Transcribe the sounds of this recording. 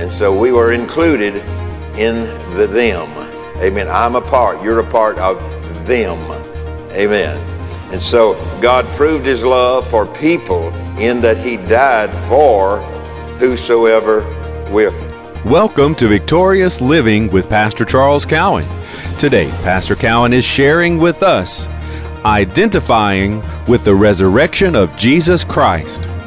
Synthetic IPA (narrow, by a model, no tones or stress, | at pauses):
ɨ̃nsoʊwiwə˞ɨ̃nkʰl̥ʉɾɪɾ | ɪ̃n | ðɨðɨ̃m | eɪmɛ̃nã̰ɪ̃məpʰɑɹtjə˞ɨpʰɑɹɾʌv | ðɨ̃m | eɪmɛ̃n | ɨ̃nsoʊɡɑd̚pʰɹ̥ʉvd̚hɨzlʌv̥fə˞pʰipl̩ˠɪ̃nðɨt̚hidaɪd̥fə˞ | hʉsoʊɛvə˞ | wɪ | wɛlˠkə̃mtʰɨvɨk̚tʰɔɹiɨslɪvɪ̃ŋwɨð̥pʰæstə˞t͡ʃʰɑɹlˠz̥kʰaʊɨ̰̃n | tʰɨdeɪpʰæstə˞kʰaʊə̃nɨz̥ʃɛɹɪ̃ŋwɪðʌs | aɪdɛ̃ntɨfaɪɪ̃ŋwɨðɨɹɛzə˞ɛkʃɨ̃nʌvd͡ʒizɨskʰɹ̥aɪst